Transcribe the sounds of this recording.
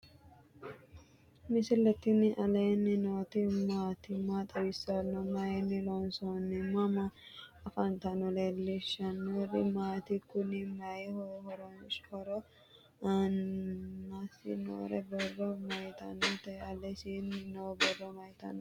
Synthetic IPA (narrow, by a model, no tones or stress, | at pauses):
mɪsɪlːɛt̪ːɪnɪʔɐleːnːɪnoːt̪ɪmaːt̪ɪmaːt̪ʼɐbɪsːɐnːɔmɐjɛnːɪlɔnsɔnːɪmɐmɐɐfɐnt̪ɐnɔleːlːɪʃɐnːoɾɪmaːt̪ɪkʊnɪmɐjɛhɔhɔɾɔhɔɾɔ | ɐnː | asɪ̰no̰ːɾɛbɔrːɔmɐjt̪ɐ̰nɔt̪ɐɐlɛsinɪnowbɔrːɔmɐjt̪ɐ̰n